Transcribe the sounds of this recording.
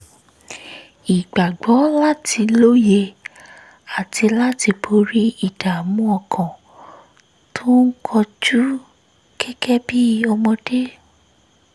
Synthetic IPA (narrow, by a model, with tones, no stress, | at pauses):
i˨ɡ͡ba˨ɡ͡bɔ˨˦la˦tʰi˧lo˦je˧ | a˨tʰi˧la˦ti˧bo˧ɾi˦i˦˨da˨mũ˨˦ɔ˧kʰã˨ | tʰõ˦n̩˦kʰɔ˧d͡ʒu˦ | kʰɛ˦kɛ˦bi˦ɔ˧mɔ̃˧de˦